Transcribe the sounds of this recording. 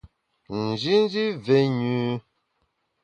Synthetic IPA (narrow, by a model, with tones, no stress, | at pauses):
n̩˨d͡ʒi˦n̩˦d͡ʒi˦ve˨ɲu˦